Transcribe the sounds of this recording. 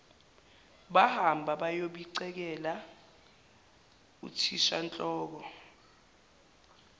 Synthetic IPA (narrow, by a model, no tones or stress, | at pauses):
ɓahambʱaɓajoɓiǀɛk̬ɛla | ṵtʰiʃant͡ɬʼɔːk̬ɔ